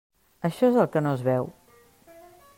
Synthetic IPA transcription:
əʃɔezəlˠkənoəzβɛw

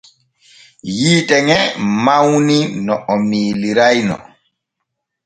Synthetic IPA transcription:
jiːtɛŋɛmawninɔʔɔmiːliɾajnɔ̰

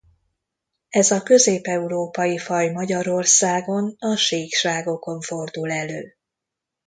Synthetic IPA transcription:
ɛzɒkø̞zeːpɛuɾoːpɒjifɒjmɒɟɒɾo̞rsaːɡo̞nɒʃeːkʃaːɡo̞ko̞ɱfo̞rd̪ulɛløː

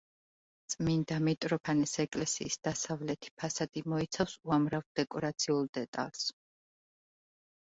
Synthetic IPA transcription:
t̪sʼmind̪amit̪ʼɾɔpʰanɛsɛkʼlɛsḭːsd̪̥asavlɛt̪ʰi̥pʰasad̪imɔit̪sʰafsuamɾavd̪ɛkʼɔɾat̪sʰiulˠd̪ɛt̪ʼa̰lˠs

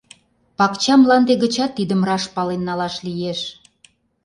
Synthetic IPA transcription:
pɑkt͡ɕɑmlɑnd̪eɣə̆t͡ɕɑt̪ːid̪əmrɑʃpɑlenːɑlɑʃlijeʃ

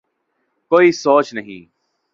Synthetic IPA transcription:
koːiːsoːt͡ʃnəɦḭ̃ː

